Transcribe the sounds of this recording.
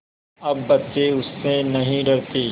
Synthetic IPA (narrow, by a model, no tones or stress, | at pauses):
ɐbːɐtːt͡ʃeʊsːẽnɐɦĩɖɐɾt̪iː